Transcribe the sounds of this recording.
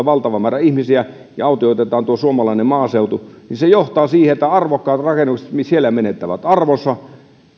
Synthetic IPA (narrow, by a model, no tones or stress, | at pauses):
ʋɑlt̪ɑʋɑmæːræihmisiæ | jɑ̰ɑut̪ioˑit̪et̪ˑɑːnt̪uosuomɑlɑinemmɑːseut̪uninsejoht̪ɑːsiːheet̪ːæɑrʋokːɑːt̪rɑkenːukse̥t̪misielːæmenet̪ːæʋæt̪ɑrʋonsɑ